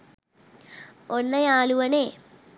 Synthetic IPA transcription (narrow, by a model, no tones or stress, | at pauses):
onːɐjaːluʋɐneː